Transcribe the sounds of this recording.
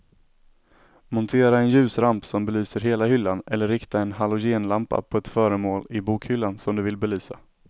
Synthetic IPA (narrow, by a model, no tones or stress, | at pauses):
mʊnt̪ʰeːɾaɛnjʉ̟ːsɾampsɔmbɛlyːsəɾɦeːlaɦʏlːanɛlːəɾːɪkt̪aɛnɦalʊjeːnlampa̰pʰɔɛt̪fœːɾəmoːlɪbuːkhʏlːansɔmd̪ɵvɪlbɛlyːsa